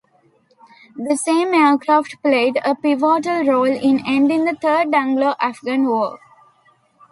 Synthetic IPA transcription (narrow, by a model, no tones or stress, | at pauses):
d̪əsẽːmeːkɾaːfʈpleːɖəpiʋɔːʈəlɾoːlɪ̃nẽɳɖɪ̃ŋd̪ət̪ʰəːɖʌ̃ŋɡloʔæfɡãnʋoː